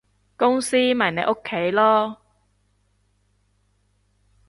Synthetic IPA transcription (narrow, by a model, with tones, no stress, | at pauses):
kʊ˥ŋsiː˥mɐ˨˩jne˨˧˥ʔo˥kʰːe˨˥jlɔː˥